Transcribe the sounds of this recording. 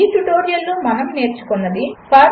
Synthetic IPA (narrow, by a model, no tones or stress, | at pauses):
iːʈuʈoːɾijɐlnumɐnɐmne̞ːɾt͡ʃu̥konːɐd̪ipʰaː